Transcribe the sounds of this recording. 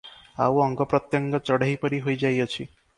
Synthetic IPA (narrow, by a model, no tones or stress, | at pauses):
a̰wɔŋɡɔpɾɔt̪jɔŋɡɔt͡ʃɔɽaɦjpɔɾiɦojd͡ʒajɔt͡ʃʰi